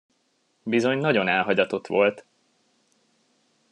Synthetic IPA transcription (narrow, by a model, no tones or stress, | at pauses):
bizo̞ɲnɒɟo̞nɛlɦɒɟɒt̪o̞t̪ʋo̞lt̪